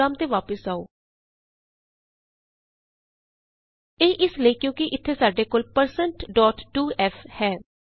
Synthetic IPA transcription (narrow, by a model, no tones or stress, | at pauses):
aːmt̪eːʋaːpəsaːoː | eːʔɪsləiːkjõːkɪʔɪt̪ʰːeːsaːɖeːkoːlpəɾsəɳʈɖɔːʈːuːɛːfʰhɛː